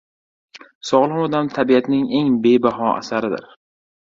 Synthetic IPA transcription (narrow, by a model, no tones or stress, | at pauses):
sɒʁlˠɒmɒd̪amt̪ʰabiat̪nɪŋe̞ŋbe̞baɦɒʔa̰saɾɪd̪ɪ̰ɾ